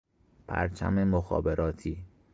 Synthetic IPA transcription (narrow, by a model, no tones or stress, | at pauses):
pʰæ̰ɾt͡ʃʰæ̰memoxɒ̰ːbeɾɒːt̪ʰiː